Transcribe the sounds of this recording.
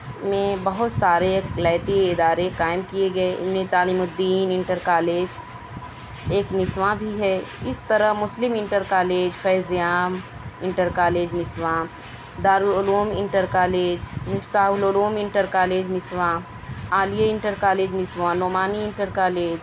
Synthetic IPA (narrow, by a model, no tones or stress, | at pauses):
mẽbɐɦʊt̪saːɾelaːɪt̪iɪd̪aːɾekaːɪmkijeɡɐeʔɪ̰mnet̪aːlimʊd̪iːnɪ̃ɳʈəɾkaːleːd͡ʒ | eːknɪswãbʱiɦɛɪst̪ɐɾəɦmʊslɪmɪ̃ɳʈəɾkaːleːd͡ʒfɛːzjaːm | ɪ̃ɳʈəɾkaːleːd͡ʒnɪswãː | d̪aːɾuːɾʊluːmɪ̃ɳʈəɾkaːleːd͡ʒmɪft̪aːɦʊlʊluːmɪ̃ɳʈəɾkaːleːd͡ʒnɪswã | aːlijaɪ̃ɳʈəɾkaːleːd͡ʒnɪswãnoːmaːniɪ̃ɳʈəɾkaːleːd͡ʒ